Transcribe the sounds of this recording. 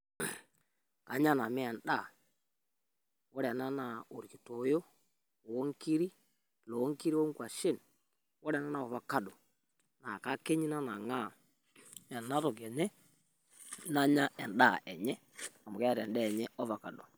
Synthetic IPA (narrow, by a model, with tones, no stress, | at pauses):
ka˨˦ɲa˦na˨mi˦ɛ˨nda˦˨ | wo˦ɾɛ˨na˦na˨o˨ɾi˨ki˨to˨˦jo˦ | wo˦ŋki˦ɾi˦ | lo˨˦ŋki˦ɾi˦wo˦ŋɡwa˨ʃe˦˨n | wɔ˦ɾɛ˨na˦na˨ɔ˨βa˨ka˦ɗo˨ | na˨ka˦ke˦ɲi˦na˦na˨ŋa˦˨ | ɛ˨na˦ɾo˨ɣɛ˨nɛ˦ | na˦ɲa˦ʔɛ˨nda˦˨ʔɛ˨ɲɛ˦ | a˨mu˨ɣɛ˦a˦ɾɛ˨ndɛː˦˨ɲɛ˦ɔ˦va˨ka˨ɗo˨